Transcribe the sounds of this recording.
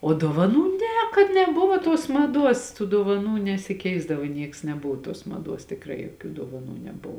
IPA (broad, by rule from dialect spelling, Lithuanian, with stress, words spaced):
oː doːʋɐˈnuː ˈnʲɛ kɐt nʲɛˈbʊʋoː tuɔs mɐˈduɔs tuː doːʋɐˈnuː nʲɛsʲɪˈkʲɛɪzdɐʋoː ˈnʲiɛks nʲɛˈbʊʋoː tuɔs mɐˈduɔs tʲɪkˈrɐɪ joːˈkʲuː doːʋɐˈnuː nʲɛˈbʊʋoː